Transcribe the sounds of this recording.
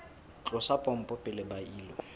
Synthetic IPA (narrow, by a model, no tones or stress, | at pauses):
t͡ɬʼʊsapʼɔm̩pʼɔpʼɪlɪbaiːlɔ